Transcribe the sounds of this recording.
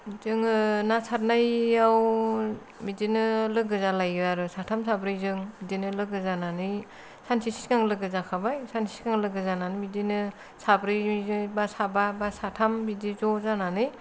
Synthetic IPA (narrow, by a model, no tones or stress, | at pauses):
zɯŋɯnasʰat̚najaw | midinɯlɯɡɯzalajɯaɾɯsatʰamsabɾɯjzɯŋmidinɯlɯɡɯzananɯj | sansisi̥skaŋlɯɡɯzakʰabajsansi̥skaŋlɯɡɯzananɯmidinɯ | sabɾɯjzɯbasababasatʰambidizɔzananɯj